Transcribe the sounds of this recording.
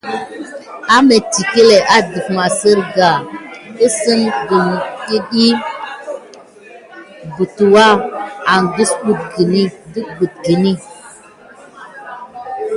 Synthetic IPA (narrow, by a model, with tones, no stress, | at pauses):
a˦me˨ti˨ke˦le˨ʔa˨di˨fma˨sə˦ɾɡa˨i˦sə˦mɡu˨mɗi˦ɗi˦ | ɡu˨tu˨wa˦a˨nɡu˦sbu˦t̚ɡi˨ni˦di˦bu˨t̚ɡi˨ni˦